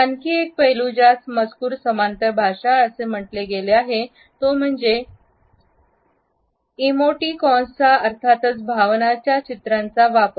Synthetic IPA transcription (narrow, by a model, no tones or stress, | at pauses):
tankiːek̚pəɦilud͡ʑasməd͡zkuːɾsəmant̪əbʱaʂaəsem̤əʈleɡeleaɦe | t̪om̤əɳd͡ze | imoʈikɔ̃st͡saəɾt̪ʰat̪ət͡sbʱaʋnat͡ɕjat͡ɕit̪ɾant͡saʋapə